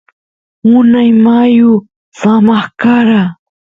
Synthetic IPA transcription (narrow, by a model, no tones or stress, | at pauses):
ʊnajmajʊ | samɑχkaɾa